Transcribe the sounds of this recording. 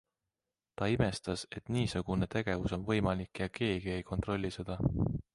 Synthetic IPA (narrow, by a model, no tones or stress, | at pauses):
t̪ɑime̞st̪ɑse̞t̪ˑniːsuɡ̥une̞t̪e̞ɡ̥e̞vuso̞nvɤ̞jmɑlikːˑjɑke̞ːɡ̥ie̞jko̞nt̪ˑro̞lʲːised̪̥ɑ